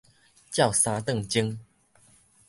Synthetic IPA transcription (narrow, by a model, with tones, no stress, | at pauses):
t͡ɕja˥˨wsa˧t̪ə˥˨ŋt͡ɕi˦ŋ